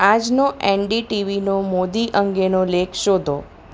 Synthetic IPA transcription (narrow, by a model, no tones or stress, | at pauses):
ad͡ʒnoʔeɳɖiʈiʋinomod̪iʔəŋɡenolekʰʃod̪ʱo